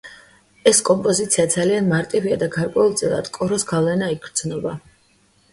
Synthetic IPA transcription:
ɛskʼɔmpʼɔzit̪sʰiad̪zalianmaɾt̪ʼiviad̪aɡaɾkʼwɛulˠt̪sʼilˠa̰d̪̥kʼɔɾɔsɡavlɛnaiɡɾd̪z̥nɔba

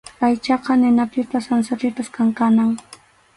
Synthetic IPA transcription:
ajt͡ʃɑqɑnɪnapɪpasansaɾɪpaskaŋkanaŋ

